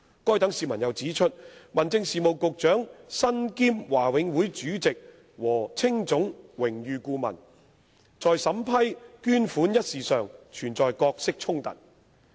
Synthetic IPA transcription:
kɔː˥jt̪ɐ˨˥ŋsiː˨˧mɐ˨˩njɐ˨˩wt͡siː˨˥t͡ʃʰɵ˥t̚mɐ˨nt͡sɪ˧ŋsiː˨mo˨˩wkʊ˨k̚t͡ʃœː˨˥ŋsɐ˥nkiː˥mwaː˨˩wɪ˨˧ŋwuː˨˥jt͡ʃyː˨˥t͡sɪ˨k̚ | wɔː˨˩t͡sʰɪ˥ŋt͡sʊ˨˥ŋwɪ˨˩ŋjyː˨kuː˧mɐ̰˨˩n | t͡sɔː˨jsɐ˨˧˥mpʰɐ˥jkyː˥nfuː˨˥njɐ˥t̚siː˨sœː˨ŋt͡ʃʰyː˨˩nt͡sɔː˨jkɔː˧k̚sɪ˥k̚t͡ʃʰʊ˥ŋt̪ɐ̰˨˩t̚

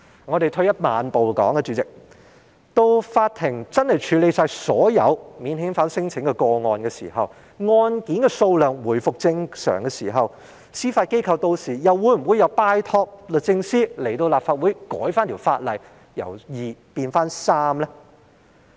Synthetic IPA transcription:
ŋɔː˨˧ɾe˨jt̪ʰɵ˧ɥjɐ˥t̚maː˨npo˨wkɔ̰ː˨˥ŋkɛ˨˧t͡ʃyː˨˥t͡sɪ˨k̚ | t̪o˧wfaː˧t̚t̪ʰɪ˨˩ŋt͡sɐ˥nhɐ˨˩jt͡ʃʰyː˨˥le˨˧jsaː˧jsɔ̰ː˨˥jɐ̰˨˧wmiː˨˧nhɪ˨˥ŋfaː˨˥nsɪ˥ŋt͡sʰɪ˨˥ŋkɛ˧kɔː˧ŋɔː˧nkɛː˧sḭː˨˩ɦɐ̰˨w | ŋɔː˧nkiː˨˥nkɛː˧so˧wlœː˨˩ŋwuː˨˩jfʊ˨k̚t͡sɪ˧ŋsœ̰ː˨˩ŋkɛ˧siː˨˩ɦɐ˨w | siː˥faː˧t̚ke˥jkʰɐ˧wt̪o˧wsiː˨˩jɐ˨wwuː˨˧˥jm̩˨˩wu˨˧jɐ˨˧wpaː˧jt̪ʰɔː˧k̚lə˨˧t͡sɪ˧ŋsiː˥le˨˩jt̪o˧wlaː˨pfaː˧t̚wu˨˥jkɔ̰ː˨˥jfaː˥nt̪ʰi˨˩wfaː˧t̚lɐ˨˧j | jɐ̰˨˩wjiː˨piː˧nfaː˥nsaː˥mlɛː˥

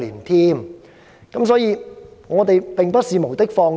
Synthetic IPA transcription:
liː˨˩nt̪ʰiː˥m | kɐ˨˥msɔː˨˥jiː˨˧ŋɔː˨˧t̪e˨jpɪ˨ŋpɐ˥t̚siː˨mo˨˩wt̪ɪ˥k̚fɔː˧ŋ

